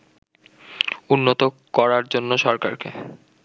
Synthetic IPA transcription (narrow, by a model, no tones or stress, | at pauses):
unːot̪o | kɔɾaɾd͡ʑonːoʃɔɾka̰ɾkḛ